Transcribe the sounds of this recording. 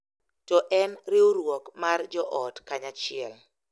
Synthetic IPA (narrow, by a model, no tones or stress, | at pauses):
tɔʔɛnɾɪoɾwɔkmard͡ʒɔʔɔtkaɲat͡ʃɪɛl